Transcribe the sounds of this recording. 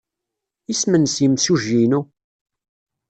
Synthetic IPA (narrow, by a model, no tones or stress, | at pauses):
ismənsjəmsuʒinu